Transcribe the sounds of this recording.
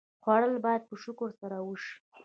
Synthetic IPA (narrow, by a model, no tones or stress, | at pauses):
xwɑɽəlbɑjad̪̚pəʃʊkʊɾsaɾawəʃi̥